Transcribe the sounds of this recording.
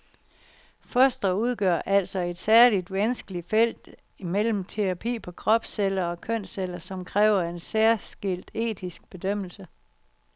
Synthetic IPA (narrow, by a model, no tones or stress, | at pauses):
fɒsd̥ɐuð̞ˠɡ̥ɶɐ̰ʔæl̰sɒ̽e̝d̥sæɐlid̥ʋænsɡ̥əli̥fel̰d̥ | imel̰m̩t͡sʰe̝ʁɑ̈pʰḭːpʰɒ̽kʰʁɒ̽b̥selɐɒ̽kʰøn̰selɐsɒ̽mkʰʁɛːʊɐe̝nsæɐ̰sɡ̥el̰d̥e̝̰ːt͡sʰisɡ̥̚b̥e̝d̥øm̰l̩sə